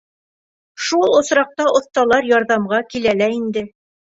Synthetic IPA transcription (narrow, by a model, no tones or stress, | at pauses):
ʃulˠŏsɾɑq̚t̪ɑʔŏθt̪ɑlˠɑɾjɑɾðɑmʁɑkilælæind̪ɘ